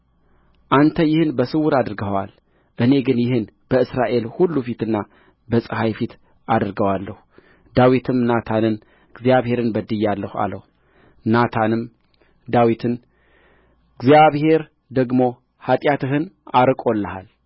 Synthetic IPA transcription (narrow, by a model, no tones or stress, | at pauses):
ʔant̪ʰəjɪhɨnbəsɨwʊɾad̪ɨɾɡəwa̰l | ʔɨne̞ɡɨnjɪhɨn | b̥əɨsɾaʔe̞lhulːufit̪ɨnːa | bəsʼɨhajfit̪ʰ | ad̪ɾɡəwalːəhu | d̪awit̪ʰɨmnat̪ʰanɨn | ɨɡzjaβhe̞ɾɨnbəd̪ɨjalːəhua̰ləhu | nat̪ʰanɨm | d̪awit̪ʰɨn | ɡzijaβhe̞ɾ | d̪əɡmo̞ | hat̪ʼjat̪ɨɦɨnʔaɾɨkʼo̞lːəha̰l